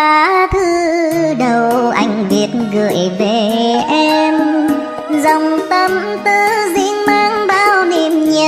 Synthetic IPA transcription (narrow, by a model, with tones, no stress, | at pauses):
aː˨˩t̪ʰɨ˧ɗə˨˩wʔa̰˧˩jŋ̟vi˨˩ət̚nɣɨ˨˧˩əjve˧˨˩ʔɛ˧m | zə˨˩wŋ͡mt̪ə˧m | t̪ɨ˧˦zḭ˧˥əŋmaː˧ŋɓaː˧wni˨˩mɲə˨˩